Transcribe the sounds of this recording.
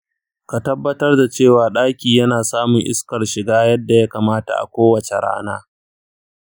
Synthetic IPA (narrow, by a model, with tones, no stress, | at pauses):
ka˨tɐ˦bːɐ˦tɐ˦rda˨t͡ʃeː˦˨waː˨ɗaː˦kʲiː˨jɐ˦naː˨saː˦mʊ˨ŋʔɪ̰˦skɐ˨rʃɪ˨ɡaː˦jɐ˦dːa˨ja˦kaː˨maː˦ta̰˨ʔa̰˨kʷoː˦wɐ˨t͡ʃe˨ɽa̰ː˦naː˦